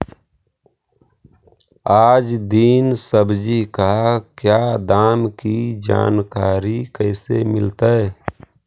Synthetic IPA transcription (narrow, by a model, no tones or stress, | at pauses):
aːd͡ʒd̪iːnsəbd͡ʒikakjaːd̪aːmkid͡ʒa̰ːnkaːɾikɛɪsḛmɪlt̪aɛ